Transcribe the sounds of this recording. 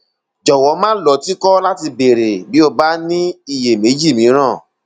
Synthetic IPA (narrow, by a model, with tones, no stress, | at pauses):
d͡ʒɔ˨wɔ˨˦mãː˦lɔ˨˦ti˦kɔ˦la˦ti˧be˨ɾe˨bi˨˦o˧ba˦nĩ˦i˦˨je˨me˨˦d͡ʒi˦˨mĩ˨˦ɾ̃ã˦˨